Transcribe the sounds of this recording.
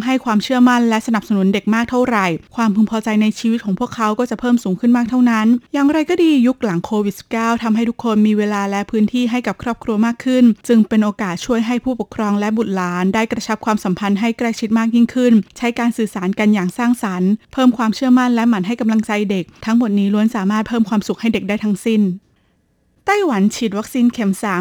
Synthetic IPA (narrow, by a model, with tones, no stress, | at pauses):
ŋɦa˥˩jkʰwaː˧mt͡ɕʰɯ˥˩ɐəma˥˩nlɛ˦˥ʔsa˧na˨˩p̚sa˧nu˨˩˦nde˨˩k̚maː˥˩k̚t̪ʰa˥˩wɾa˨˩jkʰwaː˧mpʰu˧npʰɔː˧t͡ɕa˧jna˧jt͡ɕʰiː˧wi˦˥kʰɔː˩˦pʰu˥˩əkʰːa˦˥wkɔː˥˩t͡ɕa˨˩pʰɤː˥˩msuː˩˦ŋkʰɯ˥˩nmaː˥˩k̚t̪ʰa˥˩wna˦˥njaː˨˩ŋɾa˧jkɔː˥˩diː˧ju˦˥k̚la˨˩˦ŋkʰoː˧wi˨˩t̪̚si̥˨˩p̚kaː˥˩wt̪ʰa˧mɦa˥˩jt̪u˥kʰːo˧nmiː˧weː˧laː˧lɛː˦˥wpʰɯː˦˥nt̪ʰiː˥˩ɦa˥˩jka˨˩p̚kʰɾɔː˥˩p̚kʰɾu˧ɐmaː˥˩kʰːɯ˥˩nt͡ɕɯ˧ŋpe˧nʔoː˧kaː˨˩t̪̚t͡ɕʰu˥˩əjɦa˥˩jpʰuː˥˩pu˨˩kʰɾɔː˧ŋlɛ˦˥bu˨˩t̪̚laː˩˦ndaː˥˩jkɾa˧t͡ɕʰa˦˥p̚kʰwaː˧msa˩˦mpʰa˧nɦa˥˩jkɾɛː˥˩k̚t͡ɕʰi˦˥t̪̚maː˥˩k̚ji˥˩ŋkʰɯ˥˩nt͡ɕʰa˦˥jkaː˧nsɯː˨˩saː˩˦nka˧njaː˨˩ŋsaː˥˩ŋsa˩˦npʰɤː˥˩mkʰwaː˧mt͡ɕʰɯ˥˩ɐma˥˩nlɛ˦˥ʔma˨˩˦nɦa˥˩jka˧mla˧ŋt͡ɕa˧jde˨˩k̚t̪ʰa˦˥ŋmo˨˩t̪̚niː˦˥lu˧˦˥ənsaː˨˩˦maː˥˩t̪̚pʰɤː˥˩mkʰwaː˧msu˨˩k̚ha˥˩jde˨˩k̚daː˥˩jt̪ʰa˦˥ŋsi˥˩n | t̪a˥˩jwa˩˦nt͡ɕʰi˨˩t̪̚wa˦˥k̚siː˧nkʰe˨˩˦msa˨˩